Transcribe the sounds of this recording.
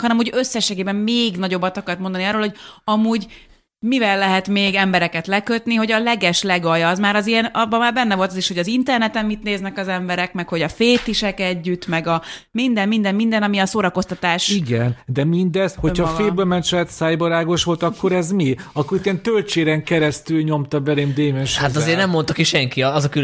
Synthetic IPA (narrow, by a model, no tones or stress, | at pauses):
hɒnɛmho̞ɟø̞sːɛʃːeːɡeːbɛmmeːɡnɒɟo̞bːɒt̪ɒkɒrt̪mo̞nd̪ɒniɒːroːlho̞ɟɒmuːɟ | mivɛlːɛɦɛt̪meːɡɛmbɛɾɛkɛt̪lɛkø̞t̪niɦo̞ɟɒlɛɡɛʃlɛɡɒjːzmaːɾɒzijɛnɒbɒmːaːrbɛnːɛvo̞lt̪ɒziʃhoɟɒzint̪ɛrnɛt̪ɛmːit̪neːznɛkɒzɛmbɛɾɛkmɛkho̞ɟɒfeːt̪iʃɛkɛɟːyt̪ːmɛɡɒmind̪ɛmmind̪ɛmmind̪ɛnɒmiɒsoːɾɒko̞st̪ɒt̪aːʃiɡɛnd̪ɛmind̪ɛzhocʰhɒffeːbøːlmɛnt̪t͡ʃlɛt̪saːjboɾaːɡoʃʋo̞lt̪ɒkːo̞ɾɛzmiɒkːoɾit̪ːiɛnt̪ølt͡ʃeːɾɛŋkɛɾɛst̪ylɲo̞mt̪ɒbɛleːmd̪eːmɛnʃat̪ɒzeːrnɛmːont̪okiʃɛŋkiɒzɒky